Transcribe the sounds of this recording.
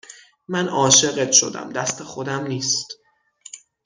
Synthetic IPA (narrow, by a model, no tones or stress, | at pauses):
mænɒːʃe̞ɣet̪ʃo̞̰d̪æ̰md̪æst̪ʰe̞xod̪æmniːst̪